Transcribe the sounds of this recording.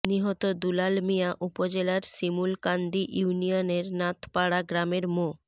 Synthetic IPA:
niɦɔt̪od̪ulalmijaʔupod͡ʑelaɾsimulkand̪iʔjuunijoneɾnat̪ʰpaɽaɡɾameɾmo

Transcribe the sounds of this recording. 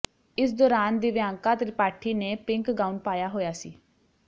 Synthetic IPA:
ɪs̬d̪ɔːɾaːnd̪iːʋɪjaːŋkaːt̪ɾɪpaːʈʰiːneːpɪŋkɡaːunpaːjaːɦoːjaːsḭː

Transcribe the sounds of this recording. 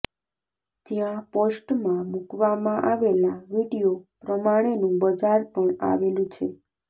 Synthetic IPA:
d͡ʒjãposʈmãmukʋamãʔaʋelaʋiɽijopɾəmaɽ̃enũbəd͡ʒaɾpəɳa̰ʋelũt͡ʃʰe

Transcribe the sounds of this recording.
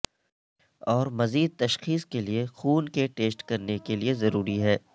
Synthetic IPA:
ɔːɾmɐziːd̪̚t̪ɐʃxiːskeliexuːnkeʈeːsʈkɐɾnekeliezɐɾuːɾiɦɛː

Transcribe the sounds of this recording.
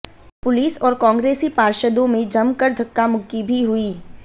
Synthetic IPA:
pʊliːsɔːɾkãːŋɡɾeːsipaːɾʃəd̪õmẽd͡ʒɐmkəɾd̪ʱɐkːamʊkibʱiɦʊiː

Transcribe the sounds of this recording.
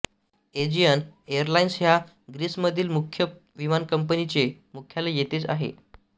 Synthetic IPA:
ed͡ʑijənejəɾlainsɦja | ɡɾiːsməd̪ʱiːlmukʰjə | ʋimankəmpənit͡semukʰjalajet̪et͡sa̰ɦḛ

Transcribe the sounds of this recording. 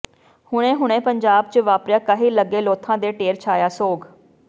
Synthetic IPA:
hʊɽ̃ẽːɦʊɳ̃ẽːpəɲd͡ʒaːb̚t͡ʃəʋaːpɾjãːkəɦiːləɡeːloːt̪ʰãːd̪eːʈeːɾt͡ʃʰaːjaːsoːɡ

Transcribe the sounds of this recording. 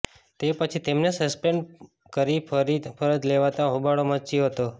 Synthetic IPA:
t̪epət͡ʃʰit̪emnesəspeɳɖ | kəɾipɾipʰəɾəd̪leʋat̪ãɦubaɽomət͡ʃioɦət̪o

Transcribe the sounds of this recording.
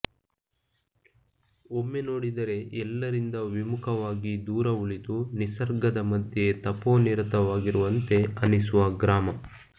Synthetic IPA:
omːeno̞ːɽid̪ɐɾe̞ʔɛlːɐɾind̪ɐʋimukʰɐʋaːɡid̪uːɾɐuɭit̪unisɐɾɡɐd̪ɐmɐd̪ʱjet̪ɐpoːniɾɐt̪ɐʋaːɡiɾuʋɐnt̪e̞ɐnisuʋɐɡɾaːmɐ

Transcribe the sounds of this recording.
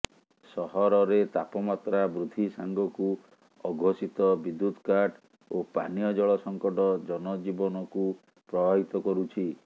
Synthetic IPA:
sɔɦɔɾɔɾet̪apɔmat̪ɾabɾud̪ʱisaŋɡɔku | ɔɡʱosit̪ɔbid̪ːud̪ʱkaɾʈ | opa̰nijɔd͡ʒɔɭɔsɔŋkɔʈɔd͡ʒɔnɔd͡ʒibɔnɔku | pɾɔbʱaɦit̪ɔkɔɾut͡ʃʰi

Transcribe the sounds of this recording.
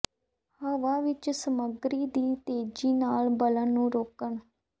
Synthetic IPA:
həʋaːʋɪt͡ʃsəməɡɾiːd̪iːt̪eːd͡ʒiːnaːlbələnːũːɾoːkəɳ

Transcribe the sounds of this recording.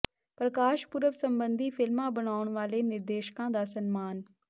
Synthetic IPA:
pɾəkaːʃpʊɾəʋsɐ̃mbə̃nd̪ʱifʰɪlmãbɐɽ̃aːʊɽ̃ʋaːlenɪɾd̪eːʃkãd̪aːsɐnmaːn

